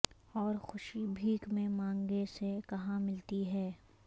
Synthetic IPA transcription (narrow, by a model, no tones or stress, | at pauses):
ɔːɾxʊʃibʱiːkmẽmãːŋɡesekɐɦãmɪlt̪iɦɛː